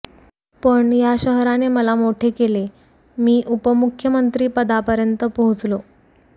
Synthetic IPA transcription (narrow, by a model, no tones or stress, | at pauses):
pəɳjaɕəɦɾaneməlamoʈʰekele | miːʔupəmukʰjəmənt̪ɾiːpəd̪apəɾjənt̪əpəɦut͡slo